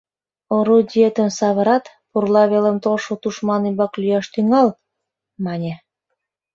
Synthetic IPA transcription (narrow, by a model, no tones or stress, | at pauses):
oɾud̪ʲiet̪ə̆msɑβə̆ɾɑt̪ | purlɑβelə̆mt̪olʃot̪uʃmɑnimbɑklyjɑʃt̪yŋɑl | mɑnʲĕ